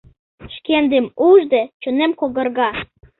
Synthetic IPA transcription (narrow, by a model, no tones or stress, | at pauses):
ʃkend̪emuʒd̪et͡ɕonemkoɣə̆rɣɑ